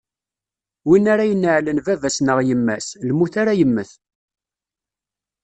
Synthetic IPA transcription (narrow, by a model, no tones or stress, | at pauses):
winaɾajənːəʕlənvævæsnəʁjəmːæslmuθaɾajəmːəθ